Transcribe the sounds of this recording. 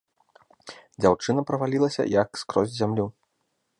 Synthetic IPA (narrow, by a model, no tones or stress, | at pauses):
d͡zʲawt͡ʂɨnɐpɾɐvalʲilˠɐsʲɐ̰jɐkskɾɔzʲzʲamlʲu